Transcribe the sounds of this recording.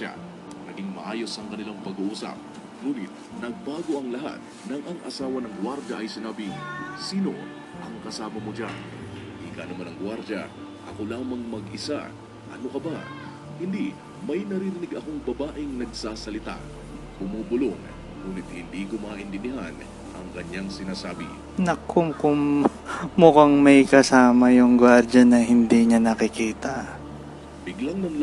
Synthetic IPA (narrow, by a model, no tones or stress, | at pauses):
a̰ | nɐɡiŋmɐʔaːjo̞sɐŋkɐnɪlaŋpɐɡuʔuːsɐ̰p̚ | nuːnɪt̪̚ | nɐɡ̚baːɡo̞ʔɐŋlɐɦa̰t̪̚ | nɐŋʔɐŋʔɐsaːwɐnɐŋɡwaɾd͡ʒɐʔɐjsɪnaːbɪŋsiːno̞̰ | ʔɐŋkɐsaːmɐmod͡ʒa̰n | ʔikanɐmanɐŋɡwaɾd͡ʒɐ | ʔɐ̰ko̞laːmɐŋmɐɡʔɪsa̰ | ʔɐno̞kɐba | hɪnd̪i | mɐjnɐɾiɾɪnɪɡɐko̞ŋbɐbaːʔɪŋnɐɡsaːsɐlɪt̪a̰ | b̥ʊmuːbʊlon | ŋuːnɪt̪̚hɪnd̪iːɡʊmaːʔɪnt̪ɪmɪhan | ʔɐ̰ŋkɐɲːaŋsɪnaːsaːbɪ̰ | nɐkʊmkʊm | mʊkaŋmɐjkɐsaːmɐjʊŋɡwaɾd͡ʒɐnɐhɪnd̪iɲɐnɐkɪkiːt̪ɐ | bɪɡlaŋnɐŋl